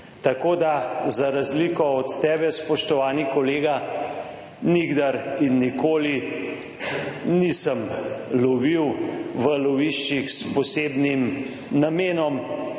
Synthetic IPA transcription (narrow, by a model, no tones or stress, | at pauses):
t̪akoːd̪azaɾazlikɔɔt̪ːɛːbɛspɔʃt̪ɔʋaːnikɔleːɡa | niɡd̪aɾinːikoːli | nisəmlɔʋiwʋəlɔʋiʃt͡ʃixspɔseːbnim | nameːnɔm